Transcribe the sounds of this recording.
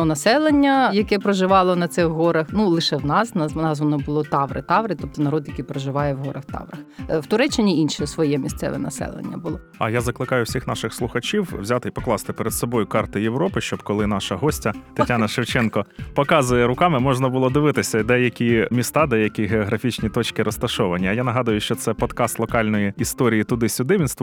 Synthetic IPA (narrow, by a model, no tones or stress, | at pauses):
ɔnɐsɛlˠenʲːɐjɐkɛpɾɔʒɪʋɑlˠɔnɐt̪sɪxɦɔɾɐxnulˠɪʃɛwnɑsnɑnɑsʋɔnɔbʊlˠɔt̪ɑʋɾɪt̪ɑʋɾɪt̪ɔp̚t̪ɔnɐɾɔd̪jɐkijpɾɔʒɪʋɑjɛwɦɔɾʔɐxt̪ɑ̰ʋrɐxwt̪ʊɾɛt͡ʃːɪnʲiinʃisʋɔjɛmʲist̪sɛ̰ʋɛ̰nɐsɛ̰lˠḛnʲːɐ̰bʊlˠɔ | ɐjazɐklˠɪkɑjʊwsʲixnɑʃɪxslˠʊxɐt͡ʃʲiwwzʲat̪ɪipɔklˠɑst̪ɪpeɾed̪sɔbɔjʊkɑrt̪ɪjewɾɔpɪʃt͡ʃɔbkɔlˠɪn̪ɑʃɐɦɔsʲtʲɐt̪ɪtʲanɐʃɪwt͡ʃɛnkɔpɔkɑzʊjɛɾʊkɑmɪmɔʒnɐbʊlˠɔd̪ɪʋɪt̪ɪsʲɐd̪ɛjɐkʲimʲist̪ɑd̪ɛjɐkʲiɦeɔɦɾɐfʲit͡ʃnʲit̪ɔt͡ʃkɪɾɔst̪ɐʃɔʋɐnʲːɐːjanɐɦɑd̪ʊjʊʃt͡ʃɔt̪sɛpɔt̪kɑst̪lˠɔkɑlʲnɔjiist̪ɔɾʲijit̪ʊd̪ɪsʲʊd̪ɪʋʲinst̪ʋʊ